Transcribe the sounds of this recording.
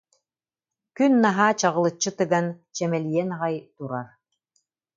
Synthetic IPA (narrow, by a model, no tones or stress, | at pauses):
kynːaɦaːt͡ɕɑʁɯ̆lˠɯt͡ɕːɯt̪ɯɡant͡ɕɛmɛlijɛnʁɑjt̪uɾaɾ